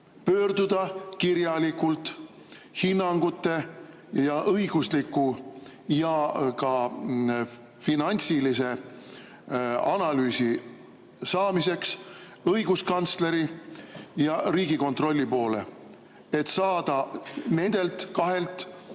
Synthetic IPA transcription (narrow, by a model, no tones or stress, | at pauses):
pø̞ːrd̪ud̪̥ɑkiɾjɑlikult̪ˑ | hinːɑŋɡ̥ut̪ːe̞ | jɑʔɤjɡ̥uslikːˑujɑkɑ | finɑnʲt̪silise̞ | ɑnɑlyːsi | sɑːmise̞ks | ɤjɡuskɑnt̪sle̞ɾi | jɑɾiːɡiko̞nt̪ro̞lʲːipo̞ːle̞̰ | e̞t̪sɑːd̪̥ɑne̞nd̪̥e̞lt̪kɑɦe̞lt̪ːˑ